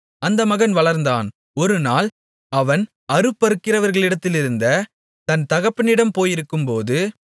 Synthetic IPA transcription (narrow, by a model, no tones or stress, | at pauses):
ɐnd̪ɐmɐɣɐnʋɐɭɐɾnd̪aːn | ɔɾɯnaːl | ɐʋɐn | ɐɾɯpːɐɾɯkːɪrɐʋɐɾɣɐɭɪɽɐt̪ːɪlɪɾɯnd̪ɐ | t̪ɐnt̪ɐɣɐpːɐnɪɽɐmpoːjɪɾɯkːɯmpoːðɯ